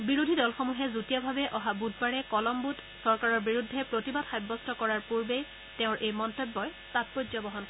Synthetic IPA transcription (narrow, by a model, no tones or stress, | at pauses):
biɹudʱidɔlxomuɦɛzutijɔbʱabɛʔɔɦabud̚baɹɛkɔlɔmbut | sɔɹkaɹɔɹbiɹudʱːɛpɹotibadxajbːɔstʰɔkɔɹaɹpuɹbej | tɛ̃ʊ̃ɹʔejmɔntɔbːɔj | tat̚pozɔbɔɦɔnkɔ